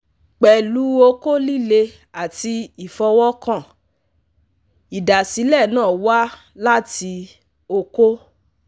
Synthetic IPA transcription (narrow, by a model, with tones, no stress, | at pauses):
k͡pɛ˨lu˨˦o˧ko˦li˦˨le˧ | a˨ti˧i˨fɔ˧wɔ˦kã˦˨ | i˨da˨si˨˦lɛ˦˨nãː˦˨wa˦ | la˦ti˧ | o˧ko˦